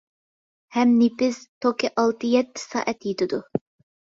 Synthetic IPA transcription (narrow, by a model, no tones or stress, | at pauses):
hɛmnipɪz̥t̪ʰokʲiʔɑlˠt̪ʰɨjɛt̪ʰːɪ̥sɑ̰ːʔɛt̪jit̪ɪd̪u